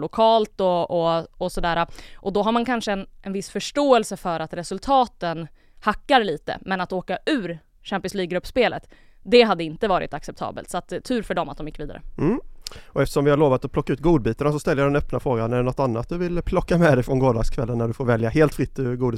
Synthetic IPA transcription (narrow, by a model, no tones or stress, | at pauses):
lʊkʰɑːlt̪ɔɔɔsɔd̪æːɾaʔɔd̪ɔɦaɾmankʰanʂəɛnʔɛnvɪsfœʂʈoːɛlsəfœɾat̪ɾɛsɵlt̪ʰɑːt̪ən | hakːaɾliːt̪ə̰mɛnat̪oːkaʉ̟ːɾ | ɕæmpɪənsliːɡɾɵpːspeːlə̰t̪ | d̪ɛɦad̪ːəɪnt̪əvɑːɾɪ̰t̪aksɛp̚t̪ʰɑ̰ːbə̰lt̪sat̪ʰːʉ̟ːɾfœɖɔma̰t̪d̪ɔmjɪkviːd̪aɾə̰m̩ːɔɛft̪əʂɔmvɪhaɾɭoːvat̪ɔpʰlɔkːaʉ̟ːt̪ɡuːd̪̚biːt̪anasɔst̪ɛlːjad̪ɛnœpnafɾoːɡanɛɖɛnɔt̪ːanːat̪̚d̪ɵvɪlpʰlɔkːamɛd̪ɛjfɾɔnɡoːd̪ɑɡskʰvɛlːənːæɖɵfoːɾvɛljaɦeːlt̪fɾɪt̪ʰːɪɡuːd̪ə